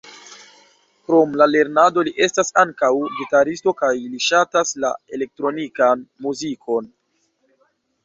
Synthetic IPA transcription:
kɾo̞mlale̞ɾnado̞liʔe̞stasaŋkawɡitaɾisto̞kajliʃatasla̰e̞le̞k̚tɾo̞nikanmuzikʰo̞n

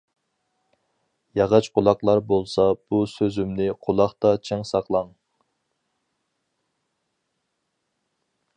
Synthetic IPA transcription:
jɑʁɑt͡ʃqʰʊlˠɑqlˠɑɾbolˠsɑb̥usøzymnɪqʰolˠɑχt̪ɑt͡ʃʰɛŋsɑqlˠɑŋ

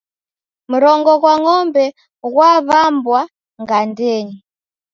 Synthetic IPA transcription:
muɾɔŋɡɔkwaŋɔmbɛ | ɣwaβambwa | ŋɡandɛɲi

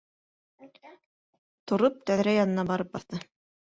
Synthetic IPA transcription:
t̪ʰŏɾop̚t̪œðɾæjɑnɤ̆nɑbɑɾɤp̚bɑθt̪ɤ

